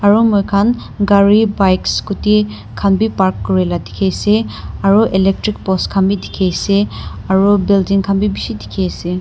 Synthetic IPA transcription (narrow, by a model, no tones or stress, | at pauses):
aɹumɔjkʰan | ɡaɹibajkskuti | kʰanbipaɹkːɔɹɛladikʰejseaɹuʔelɛk̚tɹik̚pɔskʰanbidikʰejseaɹubildiŋkʰanbibisidikʰejse